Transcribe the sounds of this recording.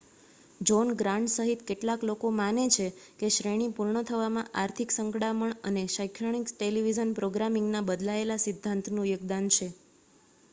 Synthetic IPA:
d͡ʒonɡɾãɳɖsəɦit̪keʈlaklokomanet͡ʃʰekeʃɾeɽ̃ipuɾɳət̪ʰəʋamãʔaɾt̪ʰiksəŋkɽaməɳəneʃajkʰəɳiksʈeliʋid͡ʒənpɾoɡɾamiŋɡnabəd̪laelasid̪ʱːãnt̪ʰnũjəɡd̪ant͡ʃʰe

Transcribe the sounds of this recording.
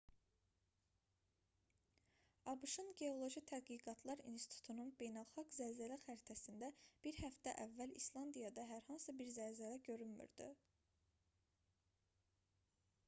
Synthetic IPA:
ɑbɯʃɯnɟe̞o̞lˠo̞ʒit̪ʰædɡiɡɑt̪ʰlˠɑɾḭnsi̥t̪ʰu̥t̪ʰununbe̞jnælˠχɑɡzæzælæxæɾt̪ʰæsind̪æb̥iɾhæft̪æʔævːælislˠɑnd̪ijɑd̪ɑɦæɾhɑnsɯbiɾzælzælæɟø̞ɾylmy̰ɾd̪y̰

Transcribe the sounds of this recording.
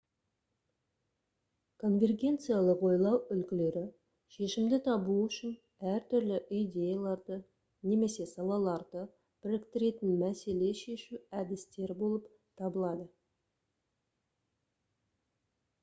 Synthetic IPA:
kʰo̞nvʲe̞rɡʲe̞nt̪sɨjalˠəqwo̞jlˠɑwʏlkʲɪle̞ɾɪ | ʃe̞ʃɪmd̪ɪt̪ʰɑbuʏʃɪn | æɾt̪ʰʏɾlɪʔijd̪ʲe̞jalˠɑɾd̪ə | ne̞me̞se̞sɑlˠɑlˠɑɾd̪ə | b̥ɪɾɪkt̪ɪɾe̞t̪ɪnmæse̞le̞ʃe̞ʃuæd̪ɪst̪e̞ɾbo̞lˠəp | t̪ʰɑbəlˠɑd̪ə

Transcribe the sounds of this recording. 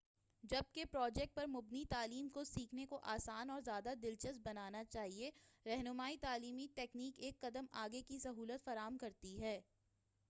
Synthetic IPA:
d͡ʒɐb̚kepɾɔːd͡ʒɛːk̚ʈ̚pɐɾmʊbnit̪aːliːmkosiːkʰnekoʔaːsaːnɔːɾzjaːd̪ad̪ɪlt͡ʃəst̚bɐnaːnat͡ʃaːɦieɾɛɦnʊmaːit̪aːliːmiʈɛːkniːkeːkːɐd̪əmaːɡekisɐɦuːlət̪fɐɾaːəmkɐɾt̪iɦɛː

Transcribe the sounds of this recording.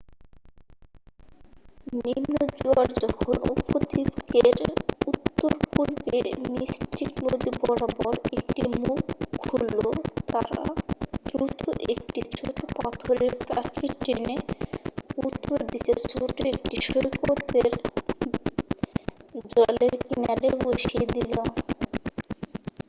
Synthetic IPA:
nimnod͡ʑuaɾd͡ʑɔkʰono̰pot̪ibkeɾut̪ːoɾpuɾbiɾnistiknod̪ibɔɽabɔɾek̚ʈimukːɦulːot̪aɾa̰d̪ɾut̪uʔek̚ʈit͡ɕʰoʈoʈpat̪ʰoɾeɾpɾat͡ɕiʈɾene | ut̪ːoɾd̪ikeɾsoʈeɾek̚ʈiʃojkoɾd̪eɾ | d͡ʑɔleɾkinaɾeboʃied̪ilo

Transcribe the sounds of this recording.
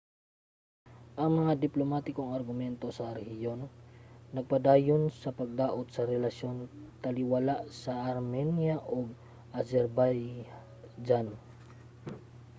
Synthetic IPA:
ʔɐŋmɐŋad̪ɪplomat̪ɪkoŋɐɾɡʊmɛnt̪osɐɾɛhɪjo̞nː | ɐɡ̚pɐd̪aːjonsɐpɐɡ̚d̪aːʔot̪̚sɐɾɛlɐsjont̪ɐlɪwalaʔsɐʔɐɾmɛnjaʔoɡ̚ | ʔɐsɛɾbaj | d͡ʒan

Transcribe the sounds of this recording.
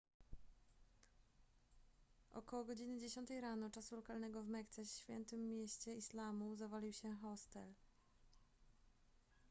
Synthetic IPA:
ʔɔ̰kɔwɔɡɔd͡ʑinɘd͡ʑeɕɔnt̪ɛjɾanɔt͡ʂasulɔkalnɛɡɔvmɛkt̪sɛːfʲjɛ̰nt̪ɘmʲːjɛɕt͡ɕɛislamuzavalʲiwɕɛxɔst̪ɛl

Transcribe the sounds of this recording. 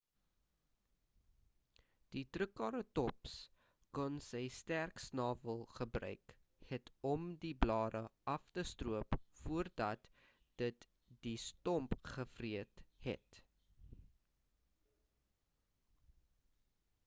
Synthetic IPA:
d̥itrəkɑːɾətɔps | kɔnsəjstærksnɑːvəlˠχəbrœ̰ɥk | hɛtɔmdiblɑːdəʔɐftəstruəpfuərdɐt | d̥ət | d̥istɔmpχəfriəthɛ̰t

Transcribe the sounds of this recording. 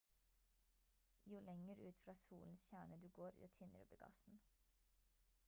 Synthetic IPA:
juːlɛŋəɾʉːt̪fɾɑːsṵːln̩sçæːɳəd̪ʉːɡoːɾjṵːt̪ʰɪnəɾʉ̰ːblḛːɡɑ̰sn̩

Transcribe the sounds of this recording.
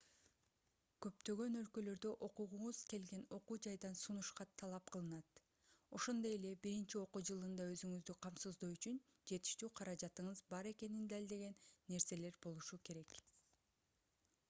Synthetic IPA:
kø̞pt̪ø̞ɡø̞nø̞lkø̞lø̞ɾd̪ø̞ʔo̞quʁuɴuz̥ke̞lɡe̞no̞quːd͡ʒɑjd̪ɑnsunuʃqɑt̪ʰɑlˠɑp̚qʰɯlˠɯnɑt̪ | o̞ʃo̞nd̪o̞je̞le̞biɾint͡ʃio̞quːd͡ʒɯlˠɯnd̪ɑø̞zyŋyzd̪yqʰɑmsɯzd̪oyt͡ʃyn | d͡ʒe̞t̪i̥ʃt̪yːqʰɑɾɑd͡ʒɑt̪ɯɴɯzbɑɾe̞ke̞nind̪ælʲd̪e̞ɡe̞nːe̞ɾse̞le̞ɾbo̞lˠuʃuke̞ɾe̞k

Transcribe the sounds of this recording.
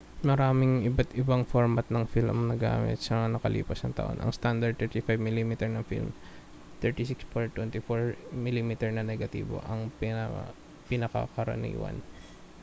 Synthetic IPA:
mɐɾaːmɪŋʔɪbat̪ɪbɐŋfoɹmɐt̪̚nɐŋfilʔɐ̰mnɐɡa̰ːmɪ̰t̪̚sɐnɐkɐlʔḭːpɐsnɐŋt̪ɐ̰ʔo̞̰nʔɐ̰ŋst̪and̪ɐɹd̪̚ɛɹt̪ifajvmɪlimit̪ɛɹnɐŋfḭlm | t̪ɛɹt̪isikspoɹt̪wɛnt̪ɪfoɹmɪlimiːt̪ɛɹnɐnɛɡɐt̪ḭːbo̰ʔɐŋpɪ | pɪnɐka̰kɐɾɐ̰nḭːwɐ̰n

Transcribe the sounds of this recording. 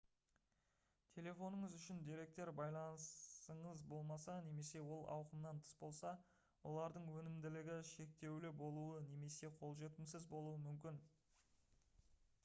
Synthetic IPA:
t̪ʲʰe̞le̞fo̞nəɴəzʏʃɪnd̪eɾe̞k̚t̪e̞ɾbɑjlˠɑnsəɴəzbo̞lˠmɑsɑne̞me̞se̞wo̞lˠɑ̰wqəmnɑnt̪ʰə̥sbo̞lˠsɑ | wʔo̞̰lˠɑɾd̪əɴwɵnɪmd̪ɪlɪɡʲɪʃe̞k̚t̪e̞wlɪbo̞lˠuəne̞me̞se̞qʰo̞lˠʒe̞t̪ɪmsɪzbo̞lˠuəmʏmkʲɪn

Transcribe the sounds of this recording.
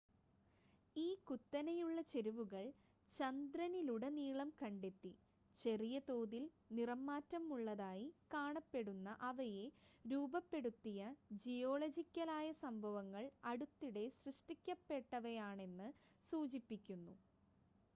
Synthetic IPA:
iːkut̪ːɐnɐjuɭːɐt͡ɕe̞ɾuʋuɣɐɭ | t͡ɕɐnd̪ɾɐniluɽe̞niːɭɐmkɐɳɖe̞t̪ːi | t͡ɕe̞rijɐt̪o̞ːðil | nirɐmːaːtːɐmuɭːɐðaːjikaːɳɐpːe̞ɽunːɐʔɐʋɐje̞ɾuːbɐpːe̞ɽut̪ːijɐd͡ʑijo̞ːɭɐd͡ʑikʲːɐlaːjɐsɐmbʱɐʋɐŋːɐɭɐɽut̪ːiɽe̞srɨʂʈikʲːɐpːe̞ʈːɐʋɐjaːɳe̞nːɨ | suːd͡ʑipːikʲːunːu

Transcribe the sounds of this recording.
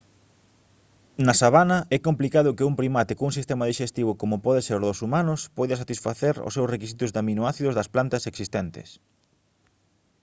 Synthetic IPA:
nasaβanɐʔɛkomplikaðʊkɪuŋpɾimat̪ɪkouŋsist̪eɛmaðiʃest̪iβ̞ʊkomʊpɔðeseɾðosumanʊspɔjðɐsat̪isfaθeɾo̰sːewsrekis̬it̪ʊzd̪aminoaθiðʊzðɐsplant̪ɐseksist̪ɛnt̪ɪ̰s

